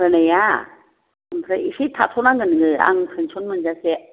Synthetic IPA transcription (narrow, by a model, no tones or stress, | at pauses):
ɯneja | ɯmpʰɾaiɕit̪ʰatʰonaŋɡɯnɯɡɯa̰ŋpʰɯnt͡ɕʰonmɯnd͡ʑase